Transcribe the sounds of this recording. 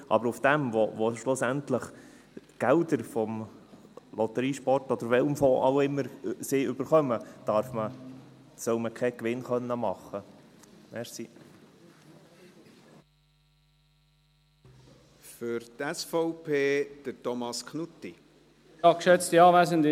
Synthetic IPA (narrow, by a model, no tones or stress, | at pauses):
ʔɑ̰bəɾʊfd̥̪ɛmʋoʋoʃlʊsænt̪ləχ | ɡ̥æld̪əɾfɔm | lʔɔt̪əɾiːʃpɔrtɔd̥̪əɾʋɛlmfoʔɑ̰wɪmːəɾsɪʏbəɾχœməd̪̥ɑɾfmə | sœʊməkʰɛkʋɪnχœnːəmɑχːəmɛɾsi | fʏɾtɛsfɔʊpʰeːd̪̥ətɔmɑskʰnutːi | ɑkʃɛt͡stiɑːʋæsənd